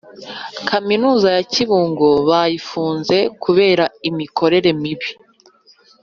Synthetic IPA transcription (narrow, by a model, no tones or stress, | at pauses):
kaminuːzajaciβuːŋɡoβajifuːnze̞kʰuβe̞ːɾaimikʰo̞ɾe̞ɾe̞miβi